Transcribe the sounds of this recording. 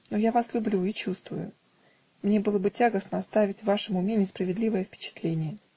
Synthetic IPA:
nojavaslʲʊblʲuit͡ɕust̪vʊ̰jʊ̰ | mnʲe̞bɨlˠəbɨtʲaɡəsnəɐst̪avʲɪtʲvaʂɨmʊmʲenʲɪspɾəvʲɪd̪lʲivəjəfpʲɪ̥t͡ɕɪ̥t̪lʲenʲɪjə

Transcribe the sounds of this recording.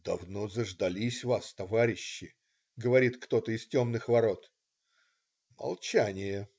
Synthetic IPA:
d̪̥ɐvno̞zəʐd̪ɐlʲisʲvast̪ɐvaɾʲɪɕːɪ | ɡəvɐɾʲit̪kt̪o̞t̪əɪstʲo̞mnɨxvɐɾo̞t̪ | mɐ̰lˠt͡ɕænʲɪjə

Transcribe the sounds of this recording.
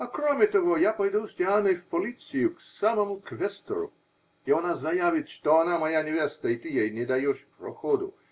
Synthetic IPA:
akɾomʲet̪oɣojapojd̪usʲt̪ʲeanɐfpolit̪sijʊksamomʊkʋɛst̪o̰ɾʊ̰ | ionaznajaʋɪt̪ʃt̪ɔanamɐjanʲɪʋʲɛst̪ɐit̪ijajnɛd̪ajoʃpɾo̰xod̪ṵ

